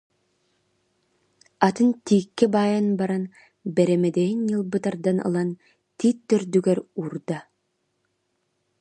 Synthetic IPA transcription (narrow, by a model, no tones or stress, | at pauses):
at̪ɯnt̪iːkːɛbajanbaɾan | bɛɾɛmɛd̪ɛinjɯlˠbɯt̪aɾd̪anɯ̰lˠan | t̪it̪ːœɾd̪yɡɛɾuɾd̪a